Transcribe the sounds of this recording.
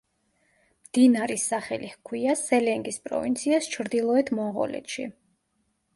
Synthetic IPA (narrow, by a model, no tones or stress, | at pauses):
md̪̥inaɾisaχɛlihkʰwiasɛlɛŋɡispʼɾɔ̰vḭnt̪sʰiast͡ʃʰɾd̪ilˠɔɛt̪ʰmɔɴʁɔ̰lɛ̰t̪ʃḭ